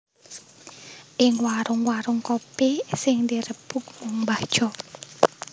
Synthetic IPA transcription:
ʔɪŋwaɾʊŋwaɾʊŋkɔpesɪŋd̪iɾəb̥uk̚mɔŋmbad̥ʒ̥ɔ

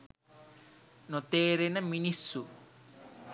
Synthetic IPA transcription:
not̪eːɾenəminisːu

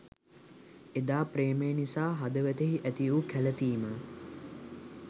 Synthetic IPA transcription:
ed̪aːpɾeːmejənisaːɦad̪əʋæt̪eɦiʔæt̪iukʰælət̪iːmə

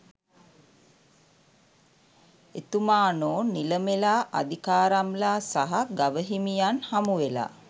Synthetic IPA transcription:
et̪umaːnoːnːiləmelaːʔa̰d̪ikaːɾamlaːsaɦaɡaʋəɦimijanhamuʋela̰ː

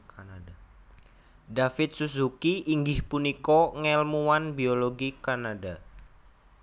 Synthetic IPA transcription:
kanada | dafɪt̪̚susukiiŋɡɪhpunikɔŋɛlmuwanbioloɡikanada

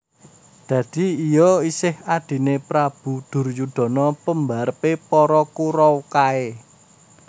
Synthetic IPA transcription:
d̪̥ä̤d̪̥i̤ijɔisɪhad̪̥i̤nepɾab̥ṳd̪̥ʊ̤rjud̪̥ɔ̤nɔpəmbaɾəpepɔɾɔkuɾɔwkae

